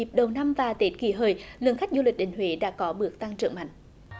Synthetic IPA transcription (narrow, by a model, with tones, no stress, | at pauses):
əp̚ɗə˨˩wna˧mvaː˨˩t̪e˨˦˥t̚ki˧˩ɦəː˨˩jlɨ˨əŋxa˦˥k̟̚zu˧lï˨˩k̚ɗï˧˨ŋ̟hwe˧˦ɗa̰ː˧˥kɔ˨˦ɓɨ˨˩ək̚t̪a˧ŋt͡ɕɨ̰˧˩əŋma̰˧˨jŋ̟